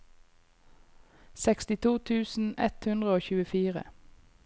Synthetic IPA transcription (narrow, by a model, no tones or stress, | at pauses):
sɛkst̪ɪt̪ʰuːt̪ʰʉːsn̩ɛ̰t̪hʉnd̪ʁəoːçʉːəfiːʁə̰